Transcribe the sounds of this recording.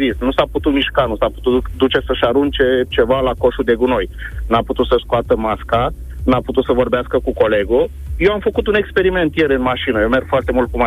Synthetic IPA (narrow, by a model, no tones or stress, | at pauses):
vist̪nusaput̪ut̪miʃkanusapu̥t̪ud̪ut͡ʃe̞səʃaɾunt͡ʃe̞t͡ʃe̞valako̞ʃud̪e̞ɡuno̞jnaput̪ut̪səskoat̪əmaska | naput̪ut̪səvo̞rbeaskəkuko̞le̞ɡo | jewamfəkut̪une̞kspe̞ɾime̞nt̪je̞ɾɨnmaʃinəjewme̞rɡ̥foart̪e̞mult̪kuma